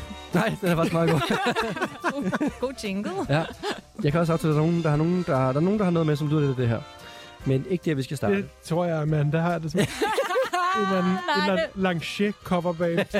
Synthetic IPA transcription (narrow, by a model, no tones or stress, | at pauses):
nɑ̈ɪ̰d̥eæɐfɑsmɑːðˠɡo̰ː | ɡ̥ot͡sʰeŋɡ̥l̩ˠjæjɑ̈ɪkʰæɒs̬ɑʊt͡sʰɛ̰ldɑno̝ːn̩d̥ɑ̈hɑno̝ːn̩d̥ɑ̈d̥ɑ̈ɐno̝ːnd̥ɑ̈hɑnɔːðˠmesɒ̽mlyð̰ˠɐdeed̥e̝ɦæɐ̰ | mene̝ɡ̥əd̥eɐʋisɡ̥æsd̥ɑ̈det͡sʰʁo̝ɐ̰jɑɪmend̥æhɑ̈jd̥esm | e̝nlænn̩e̝nlæn̩lɑ̈ŋɕekʰɒmɐb̥ɛ̰ː